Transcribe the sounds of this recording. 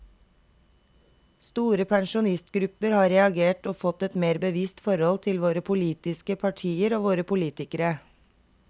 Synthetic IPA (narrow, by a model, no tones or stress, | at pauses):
st̪uːɾəpʰæŋʃʊnɪst̪ɡɾʉpəɾhɑːɾɛɑɡeːʈoːfɔt̪ɛt̪meːɾbəʋiːst̪fɔɾhɔlt̪ʰɪlʋoːɾəpʰʊliːt̪ɪskəpʰɑʈʰiːəɾoːʋoːɾəpʰʊliːt̪ɪkəɾə